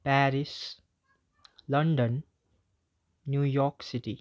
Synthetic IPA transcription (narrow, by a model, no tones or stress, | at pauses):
pæːɾis | lʌ̃ɳɖə̃n | juːjɔːksɪʈi